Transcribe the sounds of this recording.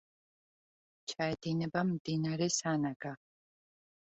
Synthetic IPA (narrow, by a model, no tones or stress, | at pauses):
t͡ʃʰaːjd̪iːnɨbɐmd̪iːnaɾisaːnaɡa